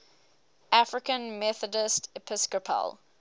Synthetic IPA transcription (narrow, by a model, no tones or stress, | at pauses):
ʔafɹɪkə̃nmɛθədɪstʰɪpʰɪskəpʰə̰l